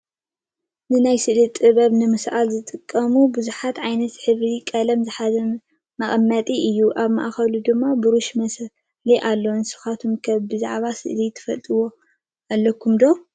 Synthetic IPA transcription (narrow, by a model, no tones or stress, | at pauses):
nɨnajsɨʔlit̪ʼɨβɐβnɨmɨsʔalzɨt̪ʼɨkʼːɐmubuzuħat̪ʕajnɐt̪ħɨβɾikʼɐlɐmzɨħazɐ | mɐχʼɐmːɐt̪ʼiʔɨjːuʔaβma̰ʔxɐlud̪ɨmːabɨɾuʃmɐs | liʔalːonsɨ̥xat̪ʰumkʰɐβbɨzaʕβasɨ̰ʔlit̪ʰɨ̥fɐt̪ʼɨwo̞ | alːɐkʰːumd̪o̞